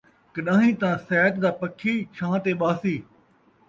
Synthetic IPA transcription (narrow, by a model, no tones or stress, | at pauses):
kəɗãːɦĩːt̪ãːsɛːt̪d̪aːpəkʰiːt͡ʃʰãːt̪eːɓaːsiː